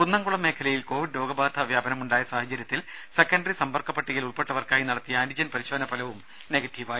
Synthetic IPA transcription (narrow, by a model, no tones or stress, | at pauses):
punːɐŋɡuɭɐmːe̞ːkʰɐlɐjilko̞ːʋiɖlo̞ːɡɐbaːt̪ʰɐʋjaːbɐnɐmuɳɖaːjɐsaːhɐt͡ɕːɐɾjɐt̪ːilse̞kːɐɳɖrisɐmbɐrkɐpːɐʈːiɣiluɭpeʈːɐʋɐrkaːjinɐɽɐt̪ːijɐaːnid͡ʑɐnpɐɾiɕɐʋɐnɐpɐlɐʋum | neɡɐtːiʋaːj